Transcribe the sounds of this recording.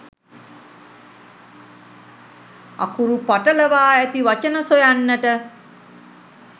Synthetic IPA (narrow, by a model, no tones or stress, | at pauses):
a̰kuɾupaʈələʋaːæt̪iʋat͡ʃənəsojanːəʈə